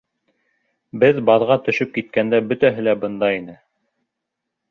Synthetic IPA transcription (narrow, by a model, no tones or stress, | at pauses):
bɘðbɑðʁɑt̪ɵ̆ʃɵp̚kit̪̚kænd̪æbɵ̆t̪æɦɘlæbɤ̆nd̪ɑinɘ